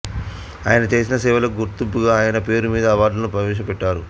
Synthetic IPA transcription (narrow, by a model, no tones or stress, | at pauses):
a̰ːjɐnɐt͡ʃe̞ːs̬inɐsɛːʋɐlɐɡuɾt̪umpːuɡaːaːjɐnɐpe̞ːɾumiːd̪ɐːʋaːɾɖlɐnupɾɐʋɛːʃɐpɛʈːaːɾṵ